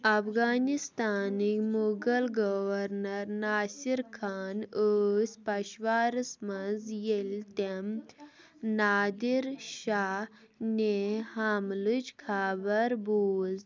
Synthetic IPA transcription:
ɐfɡaːnist̪aːnimoɡɐlɡɔʋɐɾnɐɾnaːsiɾkʰaːnəːsʲpɐɕʋaːɾsmɐnzjelʲt̪em | naːd̪iɾʃa | nehamlut͡ʃkʰaːbɐɾboːz

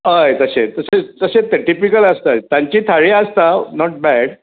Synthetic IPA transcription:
əjt̪əsẽt̪əset̪əset̪eʈipikələst̪at̪jãɲt͡ɕiːt̪ʰaɭiəst̪anɔʈ̚bæɽ

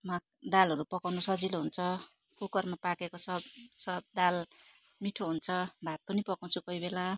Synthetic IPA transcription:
ma | d̪alɦʌɾupʌkawnusʌd͡ziloɦunt͡sʰʌ | kukʌrmapakekosʌbsʌbd̪al | miʈʰoɦunt͡sʰʌbʱat̪̚pʌnipʌkaw̃t͡sʰukʌɦibela

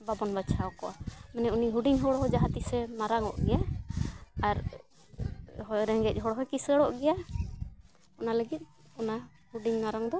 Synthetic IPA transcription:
babɔnbat͡ʃʰaɔkɔʔamɛnɛuniɦuɖiŋɦɔɽɔɦɔd͡ʒaɦat̪isɛnaɾaŋɔ̰ʔɡɛja | aɾ | ɦɔjɾɛŋɡɛc̚ˀɦɔɽɔɦɔjkisɾɛɽɔʔɡɛja | ɔnaləɡit̪̚ˀ | ɔna | huɖiɲnaɾaŋd̪ɔ

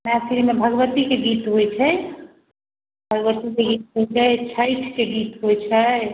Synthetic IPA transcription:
masiɾimebʱəɡʋət̪ikeɡit̪ɦojt͡ʃʰɛ | bʱəɡʋət̪ikeɡit̪ɦot͡ʃɛt͡ʃʰəjʈʰkeɡit̪ɦojt͡ʃʰɛ

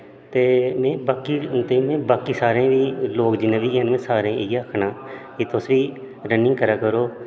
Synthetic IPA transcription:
t̪eːmẽːbaːkiːt̪eːmẽːbaːkiːsaːɾẽːʋiːloːkd͡ʒɪnẽːʋiːɛːnmẽːsaːɾẽːʔɪɡaːəkʰɳãːkiːt̪ʊsʋiː | ɾənɪ̃ŋɡkəɾaːkəɾoː

